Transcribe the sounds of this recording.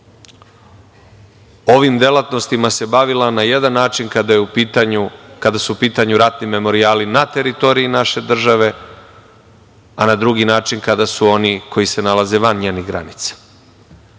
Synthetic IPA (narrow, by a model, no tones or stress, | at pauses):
o̞ʋimd̪e̞lat̪no̞st̪imase̞baʋilanaje̞d̪anːaːt͡ʃinkad̪ajeupit̪aɲukad̪asuupiːt̪aɲuɾat̪nime̞mo̞ɾiaːlinat̪e̞ɾit̪o̞ɾiinaʃe̞d̪r̩ʒaʋe̞ | anad̪ɾuɡinaːt͡ʃinkad̪asuo̞nikʰo̞jise̞nalaze̞ʋanɲeːniɣɡɾa̰nit̪sḁ